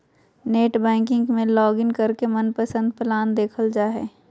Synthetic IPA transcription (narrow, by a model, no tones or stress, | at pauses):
neːʈbɛ̃ːkɪ̃ŋɡmẽlɔːɡɪŋkɐɾkemənpəsə̃nd̪̚plaːnd̪eːkʰəld͡ʒaːɦɛ̰ː